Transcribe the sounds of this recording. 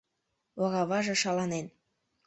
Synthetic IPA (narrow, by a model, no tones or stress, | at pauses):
wɑɣɑβɑʒɤ̆ʃɑlɑnen